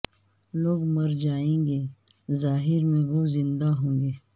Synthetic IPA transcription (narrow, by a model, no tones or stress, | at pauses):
loːɡmɐɾd͡ʒaːẽːŋɡeː | zaːɦɪɾmẽʋozɪ̃nd̪aɦõːŋɡeː